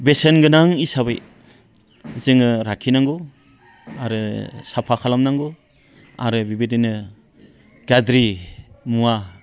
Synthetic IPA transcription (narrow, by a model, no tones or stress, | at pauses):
besenɡɯnaŋisaβɯ̰j | zɯŋɯɾakʰinaŋɡo | aɾɯsapʰakʰalamnaŋɡo | a̰ɾɯbibedinɯ | ɡadɾimua